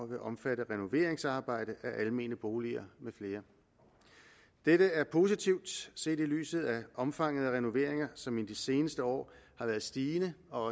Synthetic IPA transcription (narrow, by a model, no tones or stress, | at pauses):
ʋe̝ʔɒ̽mfæɾ̥əʁɛno̝ʋe̝̰ːɐeŋsɑ̈ːb̥ɑ̈ɪ̰d̥əʔæʔælme̝̰ːnəb̥o̝ːliɐmefle̝ːɐ | d̥eɾəæɐpʰo̝ːsit͡sʰiʊ̰d̥se̝̰ːd̥ily̰ːsð̩ˠæʔɒ̽mfɑ̈ŋ̰əðˠəʁɛno̝ʋe̝ɐeŋɐsɒ̽mind̥ise̝ːnəsd̥əɒ̰ːhɑ̈ʋæɐð̩ˠsd̥iːnəɒ̽ɒ̽